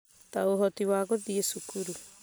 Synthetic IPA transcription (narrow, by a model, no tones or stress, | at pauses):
t̪awɦotiwaːɡodiesukuɾu